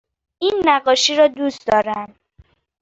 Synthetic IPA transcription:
iːnːæɢɒːʃiːɾɒːd̪uːst̪d̪ɒːɾæm

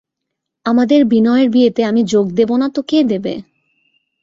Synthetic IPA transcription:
amad̪eɾbinɔeeɾbiet̪eamid͡ʑoɡ̚d̪ebonat̪oked̪ebḛ

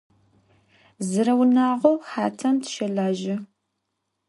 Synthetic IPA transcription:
zɨɾɐwnaːʁʷowħaːtʰɐmtʰʃɐɮaːʒɪ

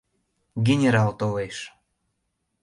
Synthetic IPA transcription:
ɡenʲeɾɑlt̪oleʃ

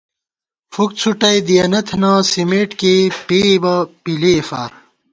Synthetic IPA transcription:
fuk̚t͡sʰuʈɐjd̪ijɐnɐt̪ʰnãːsimeːʈkepiːbɐpilefa̰ː

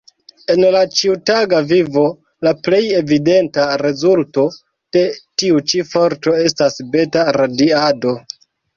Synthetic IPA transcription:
e̞nlat͡ʃiutaɡavivo̞ | laple̞je̞vide̞ntaɾe̞zulto̞ | d̥e̞tiut͡ʃifo̞ɾto̞e̞stasbe̞taɾadiado̞

